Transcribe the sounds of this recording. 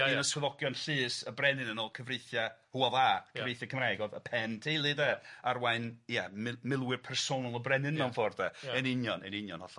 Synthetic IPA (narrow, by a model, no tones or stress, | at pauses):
nəswɛðɔɡjɔnɬɨːsəbrɛnɨnənɔːlˠkʰəvrejθjahuɔvakʰəvvrejθjakʰəmraɡɔðəpʰɛntʰilˠɨdɛarwaɨnjɛmɪmɪlˠwɪrpʰɛrsonalˠəbrɛnɨnːanfɔrdɛɛnɪnjɔnɛnɪnjɔnhɔɬ